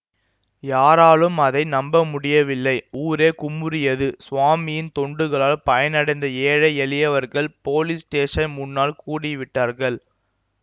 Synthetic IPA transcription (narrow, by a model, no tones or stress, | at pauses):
jaːɾaːlɯmɐðɐɪnɐmbɐmʊɽɪjɐʋɪlːɐɪuːɾeːkʊmʊɾɪjɐðɯsʊʋaːmɪjɪnt̪ɔɳɖɯɣɐɭaːlpɐjɐnɐɽɐɪnd̪ɐeːɻɐɪɛɭɪjɐʋɐɾɣɐɭpoːlɪsʈeːʂɐnmʊnːaːɭkuːɽɪʋɪʈːaːɾɣɐɭ